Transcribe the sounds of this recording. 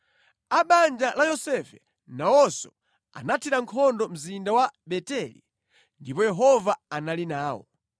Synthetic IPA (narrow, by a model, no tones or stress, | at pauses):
aɓand͡ʒalajɔsɛfɛ | nawɔsɔ | a̰natʰiɾaŋkʰɔndɔm̩zindawaɓɛtɛlḭ | ndipɔjɛɦɔvaanalinaːwɔ̰